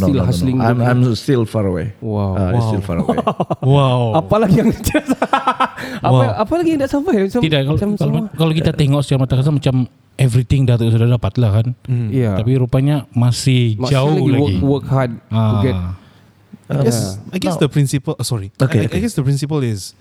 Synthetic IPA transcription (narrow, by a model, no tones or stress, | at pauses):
nilhaslɪŋãmajmstilfaɹəwḛwawastilfa̰ɾə̰ḛwawapalaɡijaŋsət͡ʃaɾas | awaapalaɡijãŋdaʔsavamat͡ʃat̪idakːalamlkalowkit̪at̪eŋɔk̚sə̥t͡ʃaɾamat̪akas̬amat͡ʃam | ɛvɾit̪ɪŋdat̪əs̬udadapat̪̚lahkan̩jat̪apiɾupaɲamasɪhd͡ʒaullaɡwəɡiwəkhad̚aɡɛt | aɡɛsajɡɛsdəpɾĩnsipəlsɔɾiokeajɡɛsdəpɾĩnsipəlɪs